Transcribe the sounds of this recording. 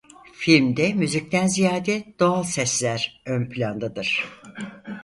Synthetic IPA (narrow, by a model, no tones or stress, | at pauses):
filʲmd̪ɛmyzic̚t̪ænzijaːd̪ɛd̪̥o̞alˠsɛslʲæɾønpʰlʲand̪ad̪ɯɾ̥